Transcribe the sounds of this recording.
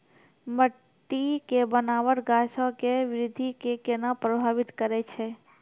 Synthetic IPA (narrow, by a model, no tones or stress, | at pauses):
məʈː | ikebənaʋəʈɡaʃãkeʋɪɾɪd̪ʱikekenəpɾəbʱaʋit̪kəɾet͡ʃʰe